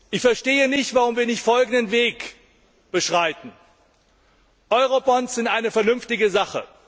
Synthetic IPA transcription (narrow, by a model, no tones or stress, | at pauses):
ʔɪçfɛɐʃteːənɪçtv̥aʁʊmviːɐnɪçtfɔlɡn̩dənveːk | b̥əʃʁ̥aɪtn̩ | ʔɔʏʁobɔnsz̥ɪntʔaɪnəfɛɐnʏnftɪɡəzaχə